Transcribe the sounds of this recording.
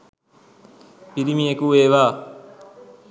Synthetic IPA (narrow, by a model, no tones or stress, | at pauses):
piɾimijekueːʋaː